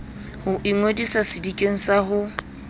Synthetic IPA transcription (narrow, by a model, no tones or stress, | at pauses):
hʊʔiŋwodisasɪdikʼeŋ̩saɦʊ